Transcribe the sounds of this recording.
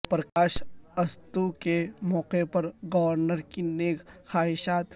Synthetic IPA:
pɾɐkaːʃɐst̪ukemɔːqepɐɾɡɐʋɾnəɾkineːkxaːɦɪʃaːt̪

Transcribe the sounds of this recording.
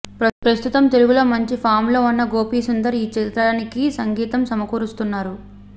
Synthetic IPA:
pɾɐst̪ut̪ɐmt̪eluɡulɐmɐɲt͡ʃipʰaːmlo̞ːunːɐɡo̞ːpiːsund̪ɐɾiːt͡ʃit̪ɾɐnikisɐŋɡiːt̪ɐmsɐmɐkuːɾust̪unːaːɾu

